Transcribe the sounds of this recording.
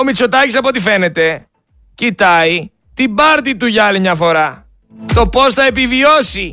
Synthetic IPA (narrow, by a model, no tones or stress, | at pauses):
omit͡so̞t̪ɐcisɐpo̞t̪̬ife̞ne̞t̪e̞ | cit̪ɐi | t̪ibɐɾt̪it̪uʝɐɐlimɲɐfo̞ɾɐ | t̪o̞po̞sθɐe̞pivio̞si